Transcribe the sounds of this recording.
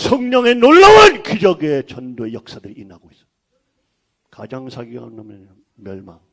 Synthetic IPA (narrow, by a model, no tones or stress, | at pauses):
sʰʌŋɲʌŋe̞noɭːawankid͡ʑʌɡet͡ɕʌndoe̞jʌk̚s͈adɯɾiinaɡois͈ʌ̥ | kad͡ʑaŋsʰaɡiɡɦandamjʌn | mjʌɭma̰ŋ